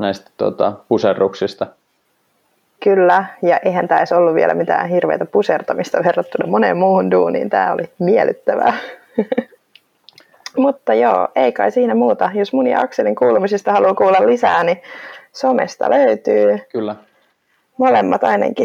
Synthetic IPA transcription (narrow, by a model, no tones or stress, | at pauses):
næist̪æ̥t̪uo̰t̪ɑpuserːuksist̪ɑ | kylːæjɑʔejɦænt̪æːisolːuʋʋḭeɛlʔæ̰mit̪æ̰ːnhirʋejt̪æpusert̪ɑmist̪ɑʋerːɑt̪ːunɑmonḛmmuːhunduːnḭːnt̪æ̰ːo̰limiɛlyt̪ːæʋæ̰ | mut̪ːɑjo̰ːʔeikɑisiːnæmuːt̪ɑjosmunjɑ̰ɑkseliŋkuːlumisist̪ɑhɑluːkuːlːɑllisæːnisomḛst̪ɑ̰løyt̪yːkylː | molemːɑt̪ɑinḛŋki